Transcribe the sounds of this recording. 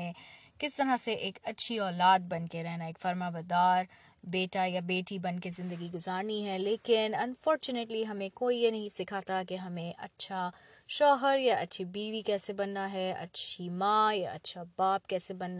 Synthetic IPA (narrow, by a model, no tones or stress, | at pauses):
ẽ | kɪst̪ɐɾaseʔeːkɐtːʃʰiɔːlaːd̪̚bɐnkeɾɛɦnaeːkfɐɾmaːbɐd̪aːɾ | beːʈajabeːʈibɐnkezɪ̃nd̪əɡiɡʊzaːɾniɦɛleːkɪnɐnfɔːɾt͡ʃʊneʈliɦɐmẽkoːienɐɦĩsɪkʰaːt̪akeɦɐmẽʔɐ̰tːʃʰa | ʃɔːɦəɾjaɐtːʃʰibiːʋikɛːsebɐnːaɦɛɐ̰tːʃʰimãːjaɐ̰tːʃʰabaːpkɛːsebɐnː